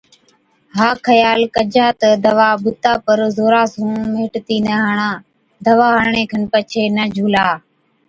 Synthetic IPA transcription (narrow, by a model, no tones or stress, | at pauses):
ɦaːkʰəjaːlkəd͡ʒaːt̪əd̪əʋaːɓʊt̪aːpəɾzoːɾaːsũːmeːʈt̪iːnəɦaːɳãː | d̪əʋaːɦəɽɳẽːkʰənpət͡ʃʰeːnəd͡ʒʱuːlaː